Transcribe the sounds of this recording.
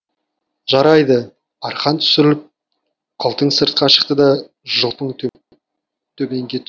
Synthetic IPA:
ʒɑɾɑjd̪ə | ɑɾχɑnt̪ʰʏ̥sɪɾɪlɪp̚ | qʰəlˠt̪əɴsəɾt̪̚qɑʃə̥qt̪əd̪ɑ | ʒəlˠpəɴt̪ʰ | t̪ʰɵbe̞ŋɡʲe̞t̪

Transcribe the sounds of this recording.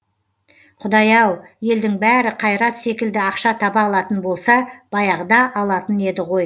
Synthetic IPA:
qʰʊd̪ɑjɑwje̞ld̪ɪŋbæɾɪqʰɑjɾɑt̪se̞kʲɪld̪ɪɑqʃɑt̪ʰɑbɑːlˠɑt̪ənbo̞lˠsɑb̥ɑjɑʁd̪ɑʔɑlˠɑt̪əne̞d̪ɪʁo̞j

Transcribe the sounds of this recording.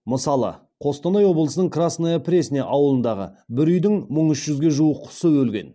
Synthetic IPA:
məsɑlˠə̰ | qʰo̞st̪ɑnɑjwo̞blˠəsənəɴkrasnajapʰɾʲe̞sɪnḛʔɑwəlˠənd̪ɑʁə̰bɪɾʏjd̪ɪŋməɴʏʃʒ̥ʏzɡʲe̞ʒuəqʰːʊ̥səwɵlɡʲe̞̰n

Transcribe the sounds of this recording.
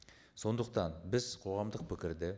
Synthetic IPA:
so̞nd̪əq̚t̪ɑnbɪz̥qʰo̞ʁɑmd̪əq̚pʰɪkʲɪɾd̪ɪ

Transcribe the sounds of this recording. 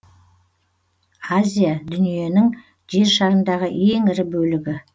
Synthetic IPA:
azʲijad̪ʏnije̞nɪŋ | ʒ̥e̞ɾʃɑɾənd̪ɑʁəʔe̞ŋɪɾɪbɵlɪɡʲɪ

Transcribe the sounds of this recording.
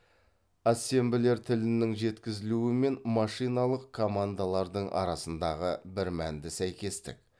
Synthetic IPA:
ɑse̞mbɪle̞ɾt̪ʰɪlɪnɪŋʒe̞t̪kʲɪzɪluɪme̞nmɑʃijnɑlˠəqkʰo̞mand̪alˠɑɾd̪əɴʔɑ̰ɾɑsənd̪ɑʁəbɪɾmænd̪ɪsæjkʲe̞st̪ɪ̰k̚

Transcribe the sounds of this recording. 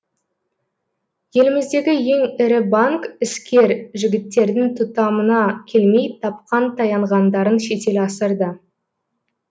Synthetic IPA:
je̞lɪmɪzd̪e̞ɡʲɪje̞ŋɪɾɪbɑŋkɪskʲe̞ɾʒɪɡʲɪt̪ːe̞ɾd̪ɪŋt̪ʰʊt̪ɑmənɑkʲʰe̞lme̞jt̪ʰɑp̚qɑnt̪ʰɑjɑɴʁɑnd̪ɑɾənʃe̞t̪e̞lɑsəɾd̪ə

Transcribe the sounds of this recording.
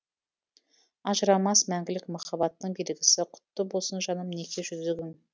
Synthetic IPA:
ɑʒəɾɑmɑsmæŋɡʲɪlɪkmɑχɑbɑt̪ːəɴbe̞lɡʲɪsɪqʰʊ̥t̪ːəbolˠsənʒɑnəmne̞kʲʰe̞ʒʏzɪɡʲɪŋ

